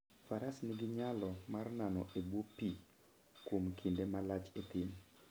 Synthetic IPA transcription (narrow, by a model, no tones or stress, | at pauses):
faɾasnɪɡɪɲalɔmarnanɔʔebwopi | kwomkʰindemalat͡ʃet̪ɪn